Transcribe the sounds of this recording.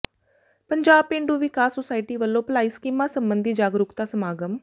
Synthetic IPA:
pəɲd͡ʒaːb̚pẽɳɖuːʋɪkaːsːosaːiʈiːʋəlːõːplaːiːskiːmãːsəmbənd̪ʱiːd͡ʒaːɡɾʊkt̪aːsəmaːɡəm

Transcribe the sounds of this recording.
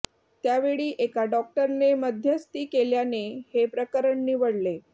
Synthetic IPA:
t̪jaʋeɭiːʔekaɖɔk̚ʈəɾneməd̪ʱjəst̪iːkeljanehepɾəkəɾəɳniʋəɽle

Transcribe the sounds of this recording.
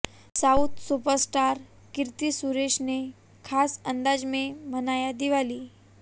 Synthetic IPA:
saut̪supəɾsʈaɾ | kiɾt̪isuɾeʂne | kʰasənd̪ad͡ʑmẽmənajad̪iʋaliː

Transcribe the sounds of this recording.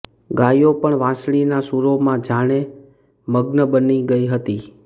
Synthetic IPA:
ɡajopəɳʋãsɭ̃inasuɾomãd͡ʒaɽ̃e | məɡnəbəniɡəiɦət̪i

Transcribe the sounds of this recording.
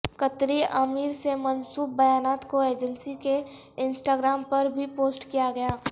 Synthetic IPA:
kət̪ɾiəmiːɾsemənsuːp̚bɐjaːnaːt̪koeːd͡ʒənsikeɪnsʈaːɡɾaːmpɐɾbʱipoːsʈkijaɡɐjaː

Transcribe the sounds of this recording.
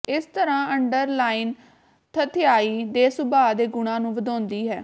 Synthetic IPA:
ɪst̪əɾãːəɳɖəɾlaːiːn | t̪ʰət̪ʰɪjaːiːd̪eːsʊbaːd̪eːɡʊɽ̃ãːnũːʋəd̪ãːnd̪iːɦɛː

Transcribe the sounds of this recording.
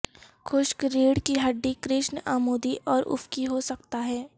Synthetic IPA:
xʰʊʃkɾiːɽkiɦɐɖːikɾɪʃnaːmoːd̪iʔɔːɾʊ̰fkiɦosɐk̚t̪aɦɛː

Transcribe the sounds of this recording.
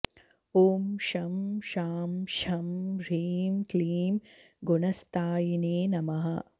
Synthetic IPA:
oːmʃɐmʃaːmʃɐmɾiːmkliːm | ɡunɐst̪aːjineːnɐmɐɦɐ

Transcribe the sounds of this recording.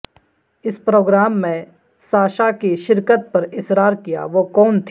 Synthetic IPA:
ɪspɾoːɡɾaːmːẽ | saːʃakiʃɪɾkət̪̚pɐɾɪsɾaːɾkija̰ʋokɔːnt̪ʰ

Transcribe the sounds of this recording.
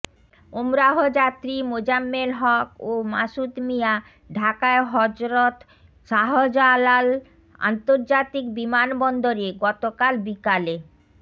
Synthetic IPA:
omɾaɦod͡ʑat̪ɾimod͡ʑamːelɦɔkomaʃut̪mija | ɖʱakaeɦɔd͡ʑɾot̪ | ʃaɦod͡ʑalal | a̰nt̪oɾd͡ʑat̪ikbimanbɔnd̪oɾeɡɔt̪okalbikale

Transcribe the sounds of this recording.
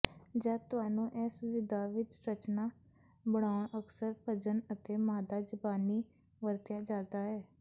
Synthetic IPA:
d͡ʒaːt̪ʊɦaːnũːʔɛːsʋɪd̪aːʋɪt͡ʃɾət͡ʃnaː | bəɳaːʊɳəksəɾpʰəd͡ʒənət̪eːmaːd̪aːd͡ʒəbaːniː | ʋəɾt̪jaːd͡ʒaːd̪aːɦɛː

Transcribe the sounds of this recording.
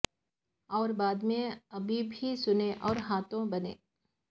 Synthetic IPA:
ɔːɾbaːd̪mẽɐbʱibʱisʊneʔɔːɾɦaːt̪õbɐnḛ̃ː

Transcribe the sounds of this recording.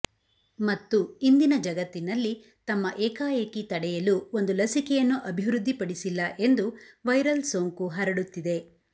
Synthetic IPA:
mɐt̪ːuind̪inɐd͡ʒɐɡɐt̪ːinɐlːi | t̪ɐmːɐʔɛːkaːjɐkit̪ɐɽɛjɐluo̞nd̪ulɐsikɛjɐnːuʔɐbʱiʋɾud̪ʱːipɐɽisilːɐʔe̞nd̪uʋɐjɾɐlsoːŋkuɦɐɾɐɽut̪ːid̪e̞

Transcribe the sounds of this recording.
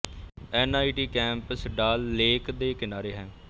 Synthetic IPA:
ɛːnaːiʈiːkɛ̃ːmpəsɖaːlːeːkd̪eːkɪnaːɾeːɦɛ̃ː

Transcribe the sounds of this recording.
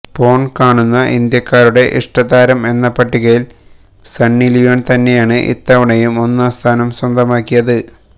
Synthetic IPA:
po̞ːɳkaːɳunːɐʔind̪jɐkːaːɾuɽe̞ʔiʂʈɐðaːɾɐme̞nːɐpɐʈːiɣɐjil | sɐnːilijoːnt̪ɐnːe̞jaːɳɨʔḭt̪ːɐʋɐɳɐjumo̞nːast̪ʰaːnɐmswɐnd̪ɐmaːkːijɐðɨ

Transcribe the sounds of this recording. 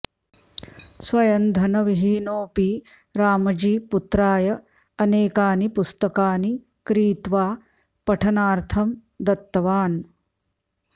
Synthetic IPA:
sʋɐjɐnd̪ʱɐnɐʋiɦiːnoːpi | ɾaːmɐd͡ʒiːput̪ɾaːjɐ | ɐneːkaːnipust̪ɐkaːni | kɾiːt̪ʋaː | pɐʈʰɐnaːɾt̪ʰɐm | d̪ɐt̪ːɐʋaːn

